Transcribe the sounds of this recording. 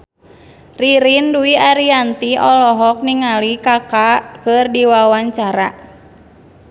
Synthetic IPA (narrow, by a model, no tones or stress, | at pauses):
riɾinduiaɾiant̪iʔɔlɔɦɔk̚niŋalikakakɨrdiwawaɲt͡ʃaɾa